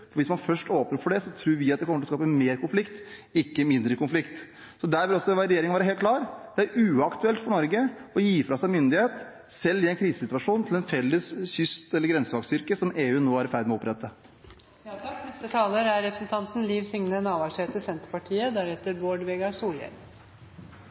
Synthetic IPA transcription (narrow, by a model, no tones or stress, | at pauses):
fɔɾʋɪsmɑnfœʂʈoːpnəɾfɔɖɛsɔt̪ʰɾuːɾʋɪɑt̪d̪ɛkɔmːəlɔskɑːpəmeːɾkʰʊnflɪkt̪ɪkːəmɪnd̪ɾəkʊnflɪkt̪ | sɔd̪æɾʋɪlɔsːɔʋæɾɛjeːɾɪŋnʋæːɾəɦeːlklɑːɾd̪̥ɛæɾʉːɑkt̪ʉɛlt̪fɔɳɔɾɡəɔjiːfɾɑsæɪmʏnd̪ɪheːt̪ | sɛlːɪɛɪnkʰɾiːsəsɪt̪ʉʋɑʂuːnt̪ʰɪlɛnfɛlːəsɕʏst̪ɛlːəɾɡɾɛnsəʋɑːɡsʏɾkəsɔmeːʉːnoːæɾɪfæɾd̪mɛɔɔpɾɛt̪ːə | nɛst̪ət̪ʰɑːləɾæɾɾɛpɾəsn̩t̪ʰɑnt̪n̩liːʋsʏŋnənɑːʋɑʂet̪əsɛnt̪əɾpɑʈʰiːəd̪æɾheːt̪əɾboːɖʋeːɡɑɾsuːljɛ̰ɾ